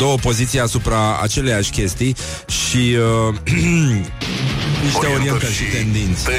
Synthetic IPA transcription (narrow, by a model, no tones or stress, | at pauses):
d̪o̞wəpo̞zit̪sijasupɾaa̰t͡ʃe̞lejaʃʲkʲe̞st̪ij | ʃi | niʃt̪eoɾijent̪əʃit̪e̞nd̪int̪sʲ